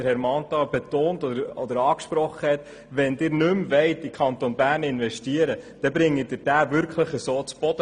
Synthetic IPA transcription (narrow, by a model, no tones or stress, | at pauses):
əɾhɛɾmɑntɑb̥ɛtoːntɔəɾɔd̪əɾɑːkʃpɾɔχːəhɛt̪ | ʋɛndɪːɾnʏmvɛɪtɪkʰχɑnt̪onbæːɾnɪnvɛʃtiəɾəd̥ɛbɾɪŋːəd̥ɪːɾd̥æːvʏɾkχləχəsoːt͡sb̥ɔd̥ə